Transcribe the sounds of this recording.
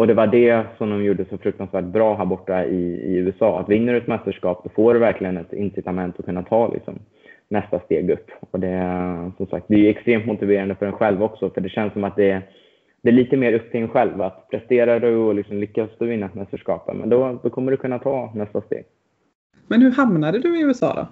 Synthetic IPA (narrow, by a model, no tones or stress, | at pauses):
ɔd̪ɛvaɖɛsɔmd̪ɔmjuːɖəsɔfɾɵk̚t̪ansvæːʈ̚bɾɑːɦæːɾbɔʈːaɪɪ̰ʉ̟ːɛsɑːa̰t̪vɪnːəɾɛt̪mɛst̪əʂkɑːpd̪ɔfoːɖɵvæɾkʰlɪɡənɛt̪ɪ̰nsɪt̪amɛnt̪ɔkʰɵnːat̪ʰɑːlʔɪ̰ksɔ̰m | nɛst̪ast̪eːɡɵpːɔd̪ɛsɔmsa̰k̚t̪̚d̪ɛɛjɛkst̪ɾeːmt̪mʊt̪ɪveːɾand̪əfœɾɛnɧɛlvɔksɔfœɖɛɕɛnsːɔmat̪̚d̪ɛ | d̪̥ɛæɭiːt̪əmeːɾɵpːt̪ʰɪɛnɧɛlvat̪pʰɾɛst̪eːɾad̪ɛɔlɪksɔmlʏkːasd̪ɔvɪnːaɛt̪mɛst̪əʂkɑ̰ːpə̰nmʔɛ̰nd̪ɔd̪ɔkʰɔmːəɖɵkʰɵnːat̪ʰɑːnɛst̪ast̪ḛːɡ | mɛnhɵɾhamnad̪əd̪ɵɪʉ̟ːɛsɑ̰ːd̪ɔ̰